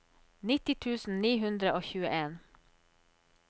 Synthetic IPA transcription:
nɪt̪ɪt̪ʰʉːsn̩niːɦʉnd̪ɾəʔoːçʉːəʔeːn

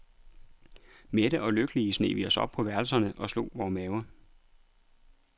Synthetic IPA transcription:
meɾ̥əʔɒ̽løɡ̥əliəsne̝̰ːʋiɒ̽sɒ̽b̥̚pʰɒ̽ʋæɐlsɐnəʔɒ̽slo̝̰ːʋɒːmɛːʊɐ

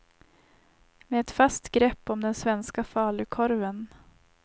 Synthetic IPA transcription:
meɛt̪fast̪ɡɾɛpːɔmd̪ɛnsvɛnskafɑːlɵkʰɔɾvən

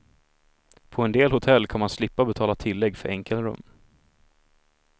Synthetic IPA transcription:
pʰɔɛnd̪eːlhʊt̪ʰɛlːkʰanmanslɪpːabɛt̪ʰɑːlat̪ʰɪlːɛɡːfœɾʔɛŋkəlɾɵ̰mː

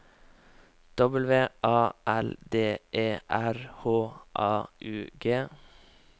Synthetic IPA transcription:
d̪̥ɔbəl̩ʋeːʔɑːʔæld̪eːʔeːʔæɾhoːʔɑːʔʉːɡeː

